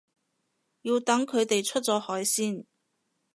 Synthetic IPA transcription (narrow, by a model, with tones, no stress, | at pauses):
jiː˧wt̪ɐ˨˥ŋkʰɵ˨˧ɥt̪e˨jt͡ʃʰɵ˥t̚t͡sɔː˨˥hɔː˨˥jsiː˥˩n